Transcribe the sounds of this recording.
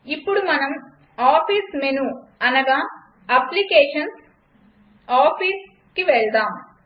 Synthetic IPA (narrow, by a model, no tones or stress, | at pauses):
ipːuɽumɐnɐm | aːpʰiːsmenuɐnɐɡaː | ɐplikeːʂɐns | aːpʰiːs | kiʋɛɭd̪aːm